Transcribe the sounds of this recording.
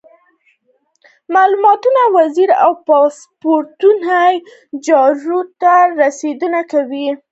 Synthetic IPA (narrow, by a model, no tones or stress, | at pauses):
malumɑt̪unawaziɾa̰wpɑs | poɾt̪unaj | d͡ʒɑɾut̪aɾased̪ənakawi